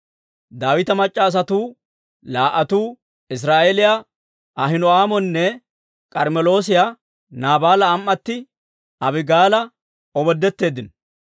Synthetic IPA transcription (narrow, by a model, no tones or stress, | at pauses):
d̪aːwɪt̪ɐmɐt͡ʃʼːaːs̬ɐt̪uː | laːʔɐt̪uː | ɪs̬ɾaːʔelɪja | ɐɦɪnɔaːmɔnːɛ | kʼɐɾmɛlo̞ːs̬ɪja | naːbaːlɐːmːɐt̪ːɪ | ʔɐbɪɡaːlɐ | ɔbɔd̪ːɛt̪ːe̞ːd̪ɪn